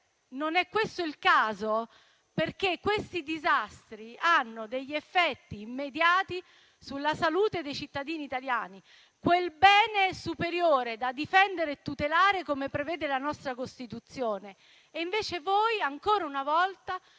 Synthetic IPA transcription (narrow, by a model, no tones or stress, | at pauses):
nonɛkːwest̪oilkaːzo | perk̟ekːwest̪id̪izast̪ɾianːod̪eʎːefːɛt̪ːiːmːed̪jaːt̪i | sulːasaluːt̪ed̪ejt͡ʃit̪ːad̪iːniːt̪aljaːni | kwelbɛːnesupeɾjoːɾed̪ad̪ifɛnd̪eɾeːt̪ːut̪elaːɾekomepɾevɛːd̪elanɔst̪ɾakost̪it̪ut̪sːjoːneː | iɱveːt͡ʃevoːjaŋkoːɾaunavɔlt̪a